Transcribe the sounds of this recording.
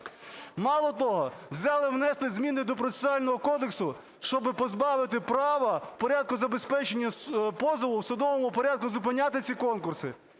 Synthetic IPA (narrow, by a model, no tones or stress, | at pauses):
mɑlˠɔt̪ɔɦɔwzʲɑlˠɪwnɛst̪ˠɪzmʲinɪd̪ɔpɾɔe̥sʲɑlʲnɔɦɔkɔd̪eksʊ | ʃt͡ʃɔbɪpɔzbɑʋɪt̪ɪpɾɑʋɐpɔɾʲad̪̚kʊzɐbe̞spɛt͡ʃenʲːɐpɔzɔʋʊwsʊd̪ɔʋɔmʊpɔɾʲad̪̚kʊzʊp̬ɪnʲat̪ɪt͡sʲikɔnkʊrsɪ